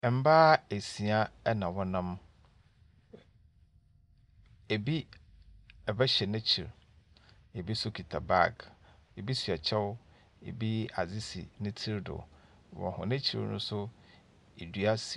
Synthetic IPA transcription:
m̩˦baː˦e˨si˨a˦ɛ˦nã˨wɔ˦nã˦m | e˨bi˦ | ɛ˨bɛ˦ɕɛ˨nɪ̃˦t͡ɕʰi˨ɾ | e˨bi˦sʊ˦kʰi˨tʰa˨ba̰˦˨ɡe˨bi˦si˨a˨t͡ɕʰɛ˦wʊ˦ | ḛ˨bi˦a̰˨zɪ˦sḭ˨nɪ̃˦tʰi˦ɾdʊ̰˨ | wɔ̰̃˨hʊ̰̃˨nɪ̃˦t͡ɕʰḭ˨ɾnʊ̃˦sʊ˦ | e˨dɥa˦si˦˨

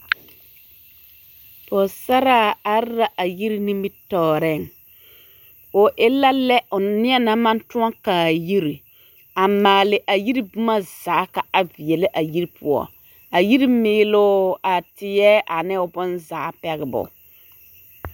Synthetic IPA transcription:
pɔ˨sa˦ɾaː˦a˦ɾɾa˦ʔa˨ji˦ɾi˦ni˦mi˦tɔː˨˦˨ɾɛ˦˨ŋ | ʊ˨ʔɪ˦la˦lɛ˦ʔʊ˨nɪ˦ɛ˦na˦mã˦n˦tʊ˦ɔ˦kaː˨ji˦ɾi˨ | a˨maː˨lɪ˨ʔa˨ji˦ɾi˦bu˦ma˦zaː˨˦ka˨a˨vi˨ɛ˨lɪ˦ʔa˨ji˦ɾi˦pʊ̰˨ɔ̰˦ | a˨ji˦ɾi˦mɪː˦lʊ˦a˨tɪ˨jɛ˦ʔa˨nɪ˦ʊ˨bʊ˦nza˨˦˨pɛ˦ɣɪ˨bʊ̰˨

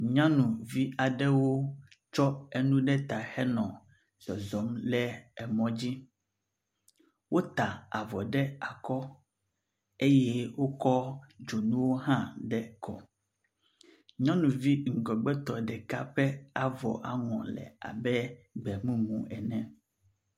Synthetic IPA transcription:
ɲã˦nũ˨vi˦a˨ɖɛ˦wo˦ | t͡ʃɔ˦e˨nũ˦ɖɛ˦t̪a˨hɛ˦nɔ̃˨ | d̪̥ɔ˨zɔ˨˦mlɛ˦ɛ˨mɔ̃˦d͡ʑi˦ | wo˦t̪a˨a˨vɔ˨ɖɛ˦a˨kɔ˦ | e˦jɛ˦wo˦kɔ˦d͡ʒo˨nũ˦wo˦ɦã˦ɖɛ˦kʰɔ̰˨ | ɲɔ̃˦nũ˨vi˦ŋ̩˨ɡɔ˨ɡ͡bɛ˦t̪ɔ˨ɖɛ˨ka˦ɸɛ˦a˨vɔ̰˨ʔa˨ŋɔ̰̃˨lɛ̰˨a̰˨bɛ˦ɡ͡bɛ˨mũ˦mṵ̃˨ɛ˨nɛ̃˨

